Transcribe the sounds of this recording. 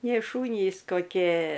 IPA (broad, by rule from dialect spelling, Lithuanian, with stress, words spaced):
nʲeːˈʃuːnʲiːs koːˈkʲeː